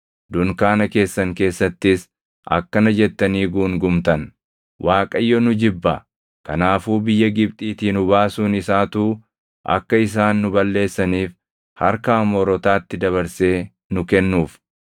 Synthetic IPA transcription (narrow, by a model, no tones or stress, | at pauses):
d̪ʊŋkaːnɐke̞ːsːɐŋke̞ːsːɐt̪ːɪs | ʔɐ̰kːɐnɐd͡ʒɛt̪ːɐniːɡuːŋɡʊmt̪ɐn | wʔaːkʼɐjːɔnʊd͡ʒɪbːɐ | kɐnaːfuːbɪjːɐɡɪbt̪ʼiːt̪iːnʊbaːsuːnɪsaːt̪uː | ʔɐ̰kːɐɪs̬aːnːʊbɐlːe̞ːsːɐniːf | hɐɾkaːmɔɾɔt̪aːt̪ːɪd̪ɐβɐɾse̞ː | nʊkɛnːuːf